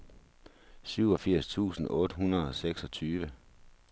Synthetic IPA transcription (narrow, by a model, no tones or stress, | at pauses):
syʊ̰ɒ̽fiɐ̰st͡sʰṵːsn̩ɔ̽ːd̥əɦunɐðˠɒ̽seɡ̥sɒ̽t͡sʰyːʋə